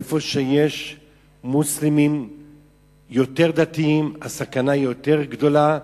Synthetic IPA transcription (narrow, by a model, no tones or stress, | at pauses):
fo̞ʃeje̞ʃ | muslimim | jo̞t̪e̞ʁd̪at̪iimasakanaijo̞t̪e̞ʁɡd̪o̞la